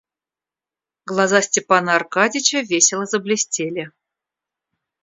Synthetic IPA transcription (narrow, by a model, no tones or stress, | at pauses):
ɡlˠɐzasʲtʲɪpanəːrkadʲɪt͡ɕəvʲesʲɪlˠəzəblʲɪsʲtʲelʲɪ